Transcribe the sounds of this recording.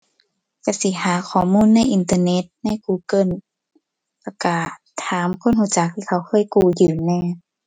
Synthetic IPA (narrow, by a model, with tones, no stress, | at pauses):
ka˧si˧˦haː˨˦kʰɔː˨˩muː˧˥˨nːa˧˥˨jʔi˨nt̪aː˧ne˧˥t̪̚na˧˥˨jkuː˧˩kɤ˧˨n | lɛ˧˩ka˧˩ | t̪ʰːaː˨˦mkʰo˧˥˨nhu˧˩˨t͡ɕa˨˧˦k̚t̪ʰiː˧˩˨a˧˦wkʰɤː˧˥˨jkuː˧˩jɯː˨˧˩nɛː˧˨